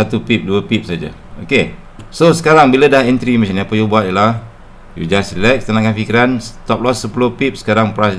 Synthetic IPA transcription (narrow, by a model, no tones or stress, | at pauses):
at̪upip̚duəpip̚sad͡ʒa̰ | oke | sosəkaɾaŋbilədahɛnt̪ɾimat͡ʃaniapəjubuat̪̚jəlah | jṵd͡ʒasilɛk̚t̪ənakanfikiɾanst̪ɔp̚lɔsːəpulohpip̚sə̥kaɾaŋpɾas